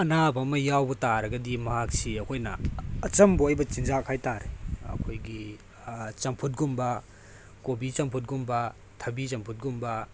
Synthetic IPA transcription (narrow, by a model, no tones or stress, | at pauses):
ɐnabɐmɐjawbɐtaɾɐɡɐdimɐɦak̚siɐkʰojnɐːt͡ʃɐmboɐjbɐt͡ʃinzakʰajtaɾeɐ̰kʰojɡi | t͡ʃɐmpʰut̚ɡumbɐ | kobit͡ʃɐmpʰut̚ɡumbɐ | tʰɐbit͡ʃɐmpʰut̚ɡumbɐ